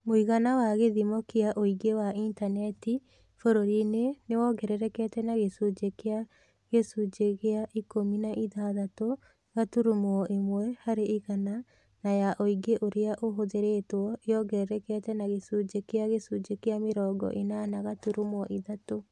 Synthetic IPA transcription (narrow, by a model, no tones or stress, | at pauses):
moiɣanawaɣeðimɔkeaʔoiɡewaintanɛti | foɾoɾinenewɔɡɛɾɛɾɛkɛtɛnaɣesud͡ʒekea | ɣesud͡ʒeɣeaʔikominaʔiðaðato | ɣatuɾumwɔʔimwɛhaɾeiɣana | najaʔoiɡeʔoɾeaʔoɦoðeɾetwɔejɔɡɛɾɛɾɛkɛtɛnaɣesud͡ʒekeaɣesud͡ʒekeameɾɔːɡɔ̰ʔenanaɣatuɾumwɔʔiðato